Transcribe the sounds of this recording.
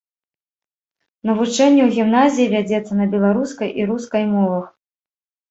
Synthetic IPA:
nɐvut͡ʂɛnʲːɛwɣʲimnazʲijivʲad͡zʲɛt̪sːɐnɐbʲɛlˠaɾuskɐjʔiɾuskɐjmɔvɐx

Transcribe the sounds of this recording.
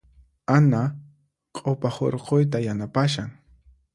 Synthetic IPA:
ana | qʼopaho̰ɾqojt̪ajanapaʃaŋ

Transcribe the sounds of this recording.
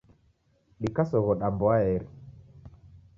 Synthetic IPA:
ɗikasɔɣɔɗambɔaɛɾi

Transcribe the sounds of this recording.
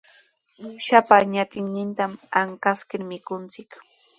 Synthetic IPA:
mʊʃapaɲat̪ɪŋnɪnt̪amaŋkaskɪɾmɪkʊnt͡sɪk

